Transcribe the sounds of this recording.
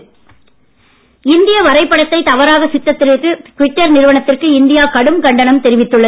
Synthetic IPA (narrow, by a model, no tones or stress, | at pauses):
ɪnd̪ɪjɐʋɐɾɐɪpːɐɽɐt̪ːɐɪt̪ɐʋɐɾaːɣɐsɪt̪ːɐt̪ːɪɾɪkːɯkʋɪʈːɐɾnɪɾɯʋɐɳɐt̪ːɪrkɯɪnd̪ɪjaːkɐɽɯmkɐɳɖɐnɐmt̪ɛɾɪʋɪt̪ːɯɭːɐ